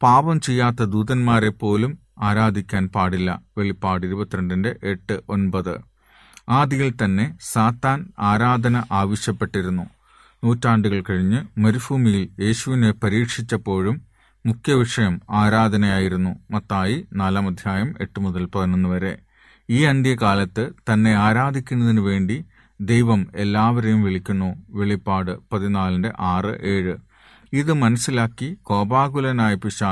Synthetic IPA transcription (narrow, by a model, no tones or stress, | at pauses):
paːbɐmt͡ɕe̞jːaːt̪ːɐd̪uːðɐnmaːre̞pːo̞ːlum | aːɾaːd̪ʱikʲːaːnpaːɽilːɐ̰ʋeɭipːaːɽiɾubɐt̪ːiɾɐɳɖindeʔeʈːɨʔo̞nbɐðɨ̰ | aːd̪ijilt̪ɐnːe̞saːt̪ːaːnaːɾaːd̪ʱɐnɐʔaːʋɐɕjɐpːe̞ʈːiɾunːu | nuːtːaːɳɖuɣɐɭkɐɻiɲːɨmɐɾufuːmijilje̞ːɕuʋinepɐɾiːkʂit͡ɕːɐpːo̞ːɻumː | ukʰjɐʋiʂɐjɐmaːɾaːd̪ʱɐnɐjaːjiɾunːumɐt̪ːaːjinaːlaːmɐd̪ʱjaːjɐme̞ʈːumuðɐlpɐrɐnːunːɐʋɐɾe̞̰ | iːɐnd̪jɐkaːlɐt̪ːɨt̪ɐnːe̞aːɾaːd̪ʱikʲːunːɐðinɨʋe̞ːɳɖi | d̪e̞jʋɐme̞lːaːʋɐɾejumʋeɭikʲːunːuʋe̞ɭipːaːɽɨpɐðinaːlɐndḛʔaːrɨ̰ʔe̞ːɻɨ | iðɨmɐnɐsːilaːkːiko̞ːbaːɡulɐnaːjipiɕaː